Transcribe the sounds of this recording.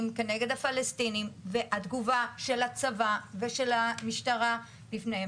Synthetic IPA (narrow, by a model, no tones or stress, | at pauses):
mkene̞ɡe̞d̪hafalestinimveʔat̪ɡuvaʃe̞lat͡savaveʃelamiʃtaʁa | bifnehe